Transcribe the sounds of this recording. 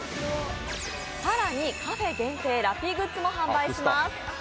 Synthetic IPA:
saɾaɲ̟ikaɸe̞ɡẽ̞nt̪e̞ːɾapʲiɡɯ̟t͡sɨmo̞ɦãmbaiɕimasɨ̥

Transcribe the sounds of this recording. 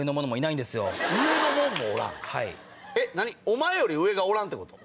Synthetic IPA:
enomo̞nomo̞inaĩnd̪esɨjoɯ̟e̞nomõmːo̰ːɾã̰ŋha̰ḭ | enaɲ̟iomaejo̞ɾʲiɯ̟e̞ɡaoɾãnt̪ːekot̪o

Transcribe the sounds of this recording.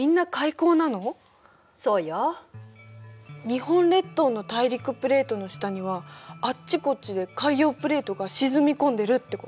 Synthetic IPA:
mʲĩnːakaiko̞ːnano̞ | so̞ːja | ɲ̟ihõ̞nɾe̞t̪ːo̞ːno̞t̪aiɾʲikɯ̟pɯ̟ɾe̞ːt̪o̞no̞ɕi̥t̪aɲ̟iβ̞aat͡ɕːiko̞t͡ɕid̪e̞kaijo̞ːpɯ̟ɾe̞ːt̪o̞ɡaɕizɨmʲikõ̞nd̪e̞ɾɯ̟t̪ːe̞ko

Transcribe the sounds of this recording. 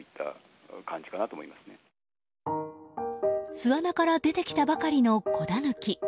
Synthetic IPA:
it̪ʰːa̰ | kãɲ̟d͡ʑi̥kanat̪omoimasɨ̥ne | sɨβanakaɾad̪e̞t̪e̞kʲi̥t̪abakaɾʲino̞kʰo̞d̪anɯ̟kʲi

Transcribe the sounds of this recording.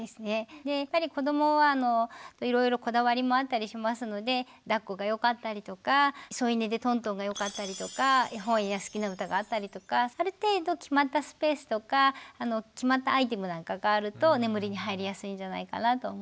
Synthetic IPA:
d̪e̞sɨne̞d̪e̞apːaɾʲiko̞d̪o̞mo̞βaːno̞t̪oiɾo̞jiɾo̞ko̞d̪aβaɾʲimo̞at̪ːaɾʲiɕimasɨno̞d̪e̞ | d̪akːo̞ɡajo̞kat̪ːaɾʲit̪o̞kaso̞ine̞d̪e̞t̪õ̞nt̪̬õ̞ŋɡajo̞kat̪ːaɾʲit̪o̞kaɦõ̞ɰ̃iɡasɨ̥kʲinaɯ̟t̪aɡaːt̪ːaɾʲit̪o̞kaaɾɯ̟t̪e̞ːd̪o̞kʲimat̪ːasɨ̥pe̞ːsɨ̥t̪o̞kaːno̞kʲimat̪ːaːit̪̬e̞mɯ̟nãŋkaɡaːɾɯ̟t̪o̞ne̞mɯ̟ɾʲiɲ̟iɦaiɾʲijasɨĩɲ̟d͡ʒana̰ika̰nat̪o̞mo

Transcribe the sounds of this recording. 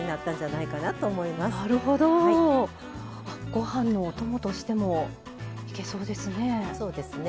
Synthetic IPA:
inat̪ːãɲ̟d͡ʑanaikanat̪oːmo̞imasnaɾɯ̟ho̞d̪o̞ | aɡ̥o̞hãnːo̞ːt̪o̞mo̞t̪o̞ɕi̥t̪e̞mo̞ | i̥ke̞so̞ːd̪e̞sɨne̞so̞ːd̪esɨne

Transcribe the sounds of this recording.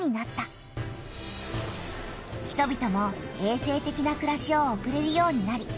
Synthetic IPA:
ɲ̟inat̪ːa | çi̥t̪o̞bʲit̪o̞mo̞e̞ːse̞ːt̪e̞kʲinakɯ̟ɾaɕio̞ːkɯ̟ɾe̞ɾɯ̟jo̞ːɲ̟inaɾʲi

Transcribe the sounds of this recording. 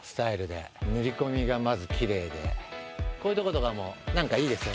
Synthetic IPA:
sɨ̥t̪aiɾɯ̟d̪e̞̰ | nɯ̟ɾʲiko̞mʲiɡamazɨkʲiɾe̞ːd̪e̞̰ko̞ːi̟t̪o̞kot̪oɡamonãŋkaiːd̪e̞sɨjo

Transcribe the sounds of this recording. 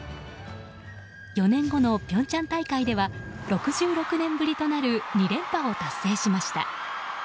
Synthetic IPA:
jo̞nẽ̞ŋɡo̞no̞pʲõ̞ɲ̟t͡ɕãnt̪aikaid̪e̞βaɾo̞kɯ̟ʑɨːɾo̞kɯ̟nẽ̞mbɯ̟ɾʲit̪o̞naɾɯ̟ɲ̟iɾẽ̞mpao̞t̪asːe̞ːɕimaɕi̥t̪a̰

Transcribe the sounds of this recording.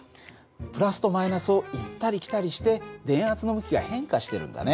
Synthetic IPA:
pɯ̟ɾasɨ̥t̪o̞mainasɨo̞it̪ːaɾʲikʲt̪aɾʲiɕi̥t̪e̞d̪ẽ̞ɰ̃at͡sɨno̞bɯ̟kʲiɡa̰hẽ̞ŋkaɕi̥t̪e̞ɾɯ̟̃nd̪a̰ne

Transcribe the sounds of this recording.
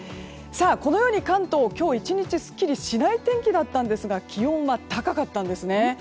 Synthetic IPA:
saːko̞no̞jo̞ːɲ̟ikãnt̪o̞ːkʲo̞ːit͡ɕiɲ̟it͡ɕisɨ̥kʲːiɾʲiɕinait̪ẽ̞ŋkʲid̪at̪ːãnd̪e̞sɨɡakʲiõ̞βat̪akakat̪ːãnd̪e̞sɨne̞

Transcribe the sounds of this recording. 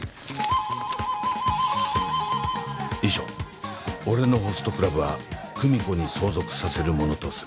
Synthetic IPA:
iʑo̞̰ː | o̞ɾe̞no̞ɦo̞sɨ̥t̪o̞kɯ̟ɾabɯ̟βa̰kɯ̟mʲiko̞ɲ̟iso̞ːzo̞kɯ̟̥sase̞ɾɯ̟mo̞no̞t̪o̞sɨɾɯ

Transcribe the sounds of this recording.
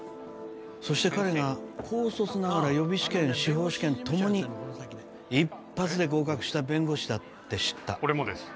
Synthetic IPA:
so̞ɕi̥t̪e̞kaɾe̞ɡakʰo̞ːso̞sɨnaɡaɾajo̞bʲiɕi̥kẽ̞ɰ̃ɕiɦo̞ːɕi̥kẽ̞nt̪o̞mo̞ɲ̟i | ipːat͡sɨd̪e̞ɡo̞ːkakɯ̟̥ɕi̥t̪abẽ̞ŋɡo̞ɕid̪at̪ːe̞ɕi̥t̪ːaoɾemod̪es

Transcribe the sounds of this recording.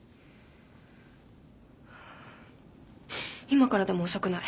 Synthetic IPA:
imakaɾad̪e̞moːsokɯ̟na

